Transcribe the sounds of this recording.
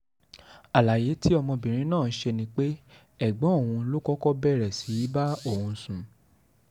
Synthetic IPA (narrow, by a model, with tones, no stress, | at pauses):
a˨la˨je˨˦tʰi˦ɔ˧mɔ̃˧bĩ˨ɾ̃ĩ˨˦nãː˦˨n̩˦ʃe˧nĩ˦k͡pe˦ | ɛ˦˨ɡ͡bɔ̃˨˦o˦˨ũ˧˦lo˦kɔ˦kɔ˦bɛ˦˨ɾɛ˨si˨˦i˦ba˦o˦˨hũ˧sũ˨